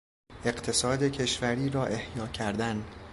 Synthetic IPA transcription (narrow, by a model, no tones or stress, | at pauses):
e̞ɢt̪ʰe̞sɒːd̪e̞cʰe̞ʃvæɾiːɾɒːʔe̞hjɒːcʰæɾd̪æn